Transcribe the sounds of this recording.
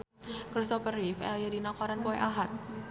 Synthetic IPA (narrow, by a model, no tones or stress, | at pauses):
kɾisɔpəɾifɛ̰ljadinakaɾankuɛʔaɦat̪̚